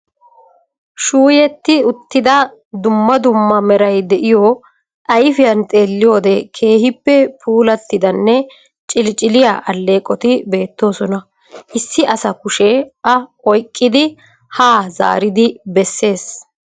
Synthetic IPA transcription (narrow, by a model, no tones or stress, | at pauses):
ʃuːjɛt̪ːɪʊt̪ːɪd̪ɐ | d̪ʊmːɐd̪ʊmːɐmɛɾɐjd̪ɛʔɪjo | ʔɐjfɪjɐnt̪ʼe̞ːlːɪjo̞ːd̪ɛkʰe̞ːhɪpːɛpʰuːlɐt̪ːɪd̪ɐnːɛ | t͡ʃʼɪlt͡ʃʼɪlɪjaʔɐlːe̞ːkʼɔt̪ɪbe̞ːt̪ːo̞ːsɔnɐ | ʔɪsːɪʔɐsɐkʊʃɛʔɐ | ɔjkʼːɪd̪ɪ | haːza̰ːɾɪd̪ɪbɛsːe̞ːs